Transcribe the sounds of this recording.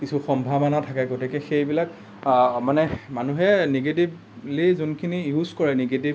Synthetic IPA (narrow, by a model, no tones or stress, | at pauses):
kisʰuxɔmbʱabanatʰakɛɡotikɛxejbilak | manɛmanuɦɛneɡet̬ib | lizunkʰinijuzkɔɹɛneɡetib